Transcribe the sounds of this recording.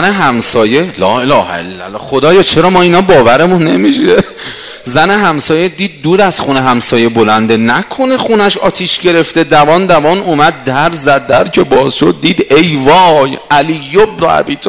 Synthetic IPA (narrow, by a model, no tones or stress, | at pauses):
neɦæmsɒːje̞lɒːelɒːhḛlːæ̰lːɒ̰χo̞d̪ɒːjɒːt͡ʃʰeɾɒːmɒːiːnɒːbɒːvæɾemũnːe̞miʃe | zæneɦæmsɒːjed̪iːd̪̚ːuːd̪æz̥χuneɦæmsɒːje̞bo̞lænd̪e̞nækʰo̞ne̞χunæʃɒːt̪ʰiʃɟe̞ɾe̞ft̪e̞d̪ævɒːnd̪ævɒːnumæd̪̚ːæɾzæd̪̚ːæɾcʰe̞bɒːzʃo̞d̪̚ːiːd̪ejvɒːjʔælijːobnoæ̰biːt̪ʰː